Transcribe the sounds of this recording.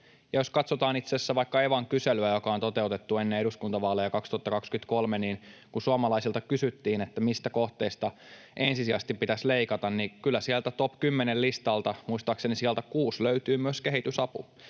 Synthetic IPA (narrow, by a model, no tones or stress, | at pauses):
jɑjo̞skɑt̪sot̪ɑːnit̪sesːæʋɑikːɑeʋɑŋkyselyæjokɑont̪o̞t̪e̞ut̪et̪ːuenːeeɾuskunt̪ɑʋɑːlejɑkɑkst̪uɑt̪ːɑkɑkskyt̪kolmeniːnkusuɑmɑlɑisilt̪ɑkysyt̪ːiːnet̪ːæmist̪æko̞ht̪eist̪ɑ | ʔensisiæst̪ippit̪æsleikɑt̪ɑnnikylːæsiælt̪æt̪opkymːenellist̪ɑlt̪ɑmuist̪ɑːksenisiælt̪ækuːsløyt̪yːmyøskeɦit̪ysɑpu